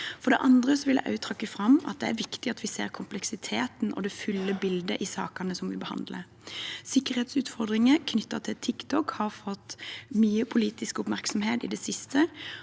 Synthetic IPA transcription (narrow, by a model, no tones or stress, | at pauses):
fɔd̪ɛ̰ʔɑnd̪ʁəsɔʋɪlə̰ʔɑ̰ʉt̪ʰɾɑkːəfɾɑmɑt̪̚d̪ɛæɾʋɪkt̪ɪɑt̪ʋɪseːʁkʰʊmplɛksɪt̪ʰeːt̪n̩ʔɔ̰d̪ɛfʉlːəbɪld̪əʔɪsɑ̰ːkɑnəsɔmʋɪbəhɑ̰nd̪lə | sɪkːəɾheːt̪sʉːt̪fɔʁd̪ʁɪŋəkʰnʏt̪ːət̪ʰɪt̪ʰɪkt̪ʰɔkhɑʁfɔt̪ːmyːəpʰʊliːt̪ɪskʊpmæʁksɔmheːt̪ɪd̪ɛsɪst̪ʰə